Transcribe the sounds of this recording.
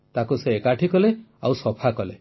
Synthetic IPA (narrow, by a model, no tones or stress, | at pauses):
t̪akuseːkaʈʰikɔle | awsɔpʰakɔlḛ